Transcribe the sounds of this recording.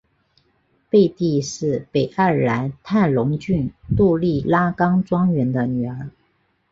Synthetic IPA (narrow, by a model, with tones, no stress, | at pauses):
pe˥˧ɪt̪i˥˧ʂɻ̩˥˩pe˨˩ɪa˥˩la˧˥nt̪ʰa˥˩nlʊ˧˥ŋt͡ɕy˥˧nt̪u˥˧li˥˩la˥kɑ˥ŋʈ͡ʂwɑ˥ŋɥɛ˧˥nd̪ə˧ny˨˩ə˞˧˥